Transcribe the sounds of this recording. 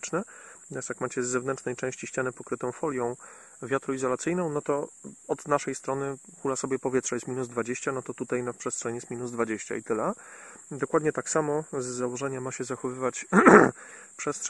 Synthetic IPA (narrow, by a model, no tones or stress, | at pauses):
t͡ʂnɘasjakmat͡ɕɛzːɛvnɛnt͡ʂnɛjt͡ʂɛ̃w̃ɕt͡ɕiɕt͡ɕanɛpɔkɾɘt̪ɔ̃w̃fɔlʲjɔ̃w̃ | vʲjat̪ɾɔizɔlat̪sɘjnɔ̃w̃nɔt̪ɔɔd̪naʂɛjst̪ɾɔnɘkulasɔbʲjɛpɔvʲjɛt̪ʂajɛst̪mʲinuzd̪vad͡ʑeɕt͡ɕanɔt̪ɔt̪ut̪ajnafpʂɛst̪ʂɛɲijɛst̪mʲinuzd̪vad͡ʑeɕt͡ɕa̰it̪ɘlɛd̪ɔkwad̪ɲɛt̪aksamɔzːawɔʐɛɲamaɕɛzaxɔvɘvat͡ɕ | pʂɛstʂ